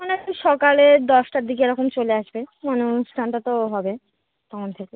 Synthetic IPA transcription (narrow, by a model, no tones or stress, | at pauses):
onɛkiʃɔkaled̪ɔʃʈaɾd̪ʱikeeɾɔkomt͡ɕoleaʃbemanosʈʰanʈat̪oɦɔbe | t̪ɔkʰont̪ʰeke